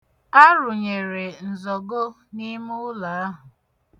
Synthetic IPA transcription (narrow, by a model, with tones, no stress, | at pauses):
a˦ɾʊ˨ɲe˨ɾe˨n̩˨zɔ˨ɡo˦ | ni˦mʊ˦ʊ˦la˨a˦ɦʊ˨